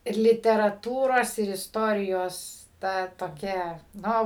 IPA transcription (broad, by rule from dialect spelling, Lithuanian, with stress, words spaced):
ɪr lʲɪtʲɛrɐˈtuːroːs ɪr ɪsˈtoːrʲɪjoːs ˈtɐ toːˈkʲɛ ˈnoː